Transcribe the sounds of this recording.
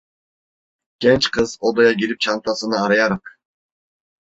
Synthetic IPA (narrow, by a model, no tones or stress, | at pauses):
ɡ̥ʲent͡ʃqɯzod̪ojɑɡiɾip̚t͡ʃʰɑnt̪ɑsɯnɑːɾɯjɑɾɯq